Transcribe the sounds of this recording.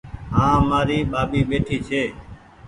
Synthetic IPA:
ɦãːmaːɾiːɓaːɓiːɓeːʈʰiːt͡ʃʰeː

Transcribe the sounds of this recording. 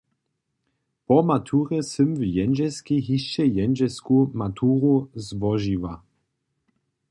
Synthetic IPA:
pɔmat̪ʰuːʁɛsɘmvjɛnʒɛskiɦiʃt͡ʃɛjɛnʒɛskumat̪ʰuːʁuzvɔʒiva

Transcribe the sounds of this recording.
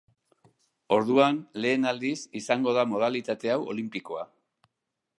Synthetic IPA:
o̞ɾðuanle̞ːnald̪isisaŋɡo̞ð̞amo̞ð̞alit̪at̪e̞awo̞̰limpiko̞a

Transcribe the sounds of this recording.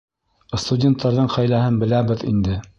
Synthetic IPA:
st̪udʲe̞nt̪ːɑɾðɤɴχæjlæhɘnbɘ̆læβɘðḭnd̪ɘ

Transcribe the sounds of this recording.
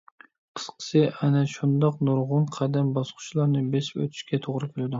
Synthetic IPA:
qʰɨ̥sqʰɨ̥sɪʔanaʃʊnd̪ɑqnʊɾʁʊnqʰɑd̪ambɑsqʰʊ̥t͡ʃlˠɑɾnɪbespo̰t̪ʰɪ̥ʃkʲat̪ʰoʁɾɪkʲʰelad̪ɪ

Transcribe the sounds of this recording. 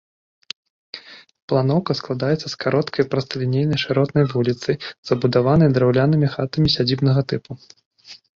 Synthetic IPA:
plˠan̪ɔwkɐsklˠad̪ajɛt̪sːɐskaɾɔt̪kʰɐjpɾɐst̪ɐlʲinʲejnɐjʂɨɾɔt̪nɐjvulʲit̪sɨjz̥ɐbud̪avan̪ɐjd̪ɾawlʲanɨmʲixat̪ɐmʲisʲad͡zʲibnɐɣɐt̪ɨpu

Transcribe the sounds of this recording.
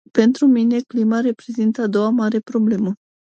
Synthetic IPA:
pe̞nt̪ɾumine̞klimaɾe̞pɾe̞zint̪əad̪o̞wamaɾe̞pɾo̞ble̞mə

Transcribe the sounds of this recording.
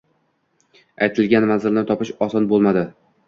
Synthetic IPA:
ajt̪ʰɪlɡʲanmanzɪlnɪt̪ʰɒpɪʃɒsɒnbolˠmad̪ɪ

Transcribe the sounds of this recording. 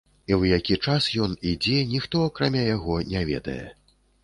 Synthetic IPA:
iwjakʲit͡ʂasjɔnid͡zʲɛnʲixt̪ɔakɾamʲajaɣɔnʲavʲɛ̰d̪ɐ̰jɛ̰

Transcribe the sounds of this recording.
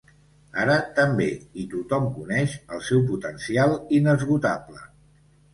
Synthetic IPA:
a̰ɾət̪əmbeit̪ut̪ɔmkunɛʃəlˠsɛwp̬ut̪ənsialˠinəzɣut̪aplə

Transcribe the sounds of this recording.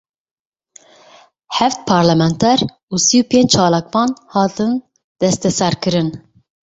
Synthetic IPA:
hɛft̪̚pʰɑːɾlɛmɛnt̪ʰɛɾ | usijupʰeɲt͡ʃt͡ʃʰɑːlɑːkvɑːnhɑːt̪ɨn | d̪̥ɛst̪ɛsɛɾkɨɾɨn

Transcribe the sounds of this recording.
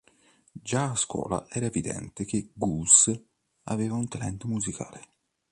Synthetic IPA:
d͡ʒaːskwɔ̰ːla̰ʔɛɾaɛvid̪ɛ̰nt̪ek̟eɡus | a̰veːvaunt̪alɛnt̪muzikʰa̰ːle

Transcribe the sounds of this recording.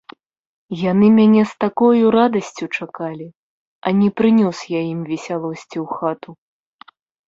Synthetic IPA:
janɨmʲanʲɛst̪akɔjuɾad̪ɐsʲt͡sʲut͡ʂakalʲi | ɐnʲɛpɾɨnʲɔsjajimvʲɛsʲalˠɔsʲt͡sʲiwxat̪u

